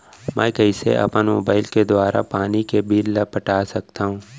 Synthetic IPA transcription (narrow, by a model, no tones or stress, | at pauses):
mɛ̃ːkɐisḛʔɐ̰pənmo̰ːbaːɪlked̪waːɾa̰paːnikebʱiːlːɐpɐʈaːsɐk̚t̪aːɦũː